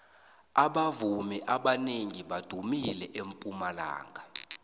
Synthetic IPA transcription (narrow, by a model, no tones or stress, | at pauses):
aɓavumɛʔaɓaneŋiɓad̥ʱumilɛʔempʼumala̰ːŋʱa